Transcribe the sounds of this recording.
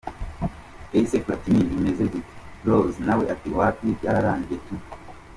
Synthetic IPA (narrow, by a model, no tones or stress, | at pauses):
eisekuɾatinizimezeziti̥ɾoznaweʔatiwapibjaɾaːɲɟetu